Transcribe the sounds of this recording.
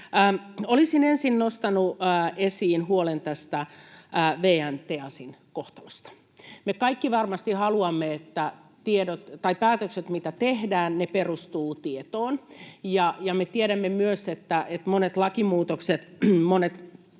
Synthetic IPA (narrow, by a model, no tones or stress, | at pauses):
olisinensinnost̪ɑnuːesiːnhuolent̪æst̪æː | ʋeːænt̪eɑsinkoht̪ɑlɑst̪ɑ̥ | mekɑikːiʋɑrmɑst̪ihɑluɑmːeet̪ːæt̪iedot̪t̪ɑipæːt̪økset̪mit̪æt̪ehdæːnneperust̪uːt̪iet̪oːnjɑjɑmet̪ieɾæmːemyøset̪ːæet̪monet̪lɑkimuːt̪okset̪monet̪